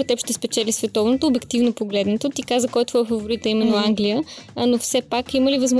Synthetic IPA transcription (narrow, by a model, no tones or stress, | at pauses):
ot̪ɛpʃt̪ɛspɛt͡ʃɛlisvɛt̪ɔvnot̪oːbɛkt̪ivnopoɡlɛd̪nɛt̪ot̪ikazəkɔjt̪vɔɛfəvoɾit̪ɐimɛnːoaŋɡlijənofsɛpakiməlivəzm